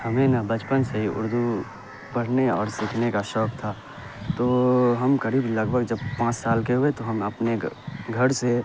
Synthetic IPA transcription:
hɐmẽnabɐt͡ʃpənsɐɦiʊ̰ɾd̪u | pɐɽ̤neɔːɾsɪkʰnekaʃɔːkt̪ʰaː | t̪oːɦɐmkɐɾiːblɐɡbʱəɡd͡ʒɐbpãːt͡ʃsaːlkeɦʊet̪oɦɐmɐpneɡʱɐɾse

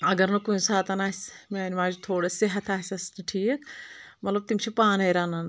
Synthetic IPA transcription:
ɐɡɐɾnɐkuũsaːt̪ɐnaːsʲmeːnmaːd͡ʒut̪ʰoːɽesiɦɐt̪ʰaːsʲɐsnɐʈʰiːkʰmɐt̪lɐb̚t̪imt͡ʃʰipaːnɐjɾaːnɐn

